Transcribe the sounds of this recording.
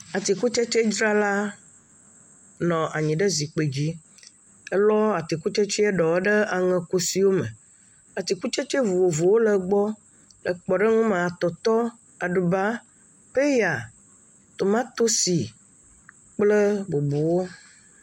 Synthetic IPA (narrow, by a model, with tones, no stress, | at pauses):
a˨t̪i˨ku˦t͡ʃɛ˦t͡ʃe˦d͡ʒɾa˦la˦ | nɔ̃˨ʔa˨ɲĩ˨ɖə˦zi˨k͡pe˨d͡ʑi˦ | ɛ˦lɔ˦a˨t̪i˨ku˦t͡ʃe˦t͡ʃɛ˦ɛ˦ɖɔ˨wɛ˦ɖə˦a˨ŋɛ̃˨ku˦si˨wo˦mə̰̃˨ | a˨t̪i˨ku˦t͡ʃe˦t͡ʃe˦vu˨wo˨vo˨wo˦lə˨ɡ͡bɔ˦ | lə˨k͡pɔ˨ɖə˦ŋũ˦mã˨a˨t̪ɔ˨t̪ɔ˦ | a˨ɖu˨ba˦ | ɸe˦ja˨ | t̪o˨mã˦t̪o˦si˨ | k͡plə˦bo˨bo˨wo˦